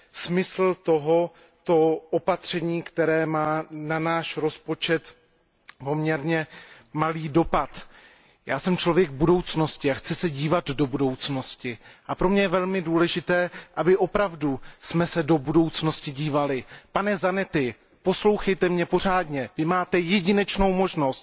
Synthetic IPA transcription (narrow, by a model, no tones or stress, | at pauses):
smɪsl̩t̪o̞ɦo̞ | t̪o̞ʔopat̪r̝̥ɛɲiːkt̪ɛɾɛːmaːnanaːʃɾo̞spo̞t͡ʃɛt̪ | po̞mɲɛɾɲɛ | maliːdo̞pat̪ | jaːsɛmt͡ʃlo̞vjɛɡbudo̞wt͡sno̞scɪaxt͡sɪsɛɟiːvad̪do̞budo̞wt͡sno̞scɪʔapɾo̞mɲɛjɛvɛlmɪduːlɛʒɪt̪ɛːʔabɪʔo̞pɾavdusmɛsɛdo̞budo̞wt͡sno̞scɪɟiːvalɪpanɛzanɛt̪ɪ | po̞slowxɛjt̪ɛmɲɛpo̞r̝aːdɲɛvɪmaːt̪ɛjɛɟɪnɛt͡ʃno̞wmo̞ʒno̞st̪